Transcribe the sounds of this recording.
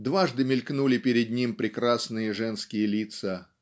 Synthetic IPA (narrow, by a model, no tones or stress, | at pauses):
d̪vaʐd̪ɨmʲɪlʲknulʲɪpʲɪɾʲɪd̪nʲimpɾʲɪkɾasnɨjəʐɛnskʲɪjəlʲit̪sə